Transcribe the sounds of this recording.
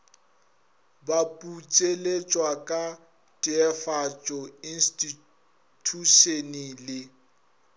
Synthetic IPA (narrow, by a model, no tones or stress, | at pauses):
bapʼut͡sʼelet͡ʃʼwakʼa | tʼɪɛfat͡ʃʼɔinstʼi | tʰuʃenilɪ